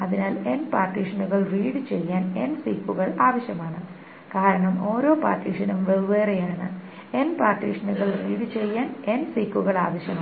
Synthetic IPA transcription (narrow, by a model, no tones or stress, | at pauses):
ɐðinaːle̞npaːrʈiʂɐnuɣɐɭriːɽɨt͡ɕe̞jːaːne̞̰nsiːkːuɣɐɭaːʋɐɕjɐmaːɳɨ | kaːɾɐɳɐmo̞ːɾo̞ːpa̰ːrʈiːʂɐnumʋeʋʋeːrejaːɳɨ̰ | e̞npaːrʈːḭːʂɐnuɣɐɭriːɽɨt͡ɕe̞jːaːne̞nsiːkːuɣɐɭaːʋɐɕjɐmaː